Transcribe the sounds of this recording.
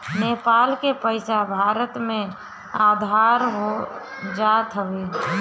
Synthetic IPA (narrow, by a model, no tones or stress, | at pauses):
nepalkepəɪsabʱaːɾət̪mẽ | aːd̪ʱaːɾɦo | d͡ʒat̪ɦəʋe